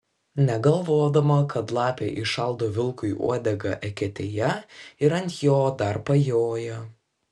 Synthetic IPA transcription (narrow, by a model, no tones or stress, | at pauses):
nʲɛɡɐlˠʋoːd̪ɐmɐkɐt̪lˠɑːpʲeːʔɪʃɐlˠˑd̪oːʋʲɪlˠkʊɪʔṵɔd̪ʲɛɡɐ̰ʔɛkʲɛt̪ʲeːjɛɪɾɐnʲt̪ʲjoːd̪ɐɾpɐjoːjɛ